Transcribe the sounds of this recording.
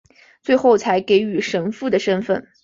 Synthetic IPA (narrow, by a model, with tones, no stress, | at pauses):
t͡swe˥˧ɪxo˥˩ʊt͡sʰa˧˥ɪke˧˥ɪy˨˩ʂə˧˥nfu˥˩d̪ə˩ʂə˥nfə˥˩n